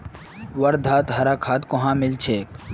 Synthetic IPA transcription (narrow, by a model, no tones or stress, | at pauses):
wɐɾd̪ʱaːt̪ɦɐɾaːkʰaːt̪koɦãːmɪlt͡ʃʰeːk